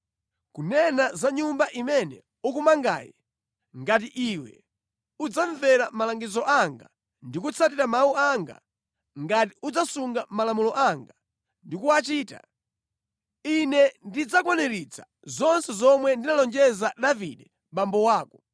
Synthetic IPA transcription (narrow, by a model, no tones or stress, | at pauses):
kunɛnazaɲumbaʔimɛnɛ̰ | ukumaŋɡa̰ːjɛ̰ | ŋɡat̬iʔiwɛ̰ | ud͡zaɱvɛɾamalaŋɡizɔʔaŋɡa̰ | ndikut͡sʰat̬iɾamauaŋɡa̰ | ŋɡat̬iud͡zasuŋɡamalamulɔʔaŋɡa | ndikuwat͡ʃiːta̰ | inɛndid͡zakwɔnɛɾit͡sʰḁ | zɔnsɛzɔmwɛndinalɔnd͡ʒɛzaɗavḭɗɛ | mɓambɔwaːkɔ